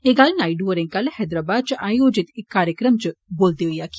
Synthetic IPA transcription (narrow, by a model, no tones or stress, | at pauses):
eɡalnaːiɖuəɾẽŋkɐlhɛːd̪ɾaːbaːd̪̚t͡ʃʔaːjoːd͡ʒɪt̪ɪkːaːɾjəkɾəmt͡ʃboːlt̪iɦoiaːki̥